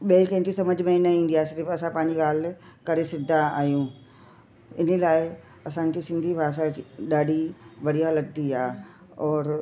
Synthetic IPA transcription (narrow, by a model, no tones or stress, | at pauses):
ɓeːlkẽnkisɐməd͡ʑʱmẽnɐĩːnd̪iaːsɪɾifɐsãpãːɪ̃ɲd͡ʑiɡaːlkɐɾesɪd̪ʱaa̰ːɦjũː | ɪnəlaːɪ | ɐsãɲkisɪ̃nd̪ʱibʱaːʃ̬aɗaːɖʱiʋɐɽ̤ijalɐɡ̚t̪iaː | ɔːɾ